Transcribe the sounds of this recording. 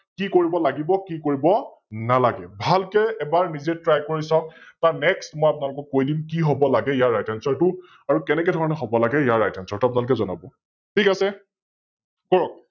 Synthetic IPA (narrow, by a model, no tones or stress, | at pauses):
kikoɹibɔlaɡibɔkikoɹibɔ | nalaɡɛbʱalkɛɛbaɹnizetɹajkoɹisɔk̚taɹnɛkstmɔjapʊnalʊkɔkːojdimkiɦobɔlaɡɛijaɹːajtɛnsɔɹtʊ | aɹukɛnɛkɛdʱɔɹɔnɛɦɔbɔlaɡɛijaɹajtʰansɔɹtuapʊnalʊkɛzɔna̰bɔ | tʰikasɛ | kɔɹɔk̚